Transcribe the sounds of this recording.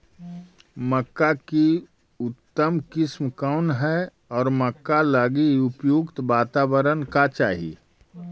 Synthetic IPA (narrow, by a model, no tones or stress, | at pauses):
məkːaki | ʊt̪ːəmkɪsmkaʊnɦɛ | ɔːɾməkːalaɡiʊpjukt̪ʋaːt̪aːbəɾənkat͡ʃa̰ːɦḭ